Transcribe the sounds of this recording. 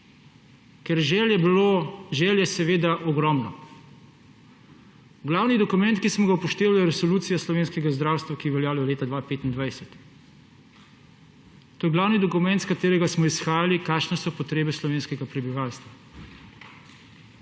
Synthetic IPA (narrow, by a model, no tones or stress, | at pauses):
kɛɾʒɛɛbloʒɛːljɛsɛʋeːd̪aʔɔɡɾɔmnɔ | ɡlaːwnid̪ɔkumɛ̃nt̪kismɔɡaupɔʃt̪eːʋalujɛɾɛsɔluːt̪sijaslɔʋeːnskɛɡazd̪ɾaːwst̪ʋakiɛʋɛljaːlɔɔleːt̪ad̪ʋaːpeːt̪ind̪ʋajsɛt̪ | t̪ːoːjɛɡlaːwnid̪ɔkumɛnt̪skat̪eːɾɛɡasmɔisxaːjalikaːkʃnɛsɔpɔt̪ɾeːbɛslɔʋeːnskɛɡapɾɛbiʋaːlst̪ʋa